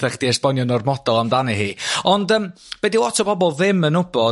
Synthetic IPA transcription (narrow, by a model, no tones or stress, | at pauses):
ɛχd̥iɛsbɔnjɔnɔrmɔd̥ɔlˠamdanɛhiːɔndəmb̥ɛdiwɔtʰɔbɔbɔlˠðɪmənʊbɔ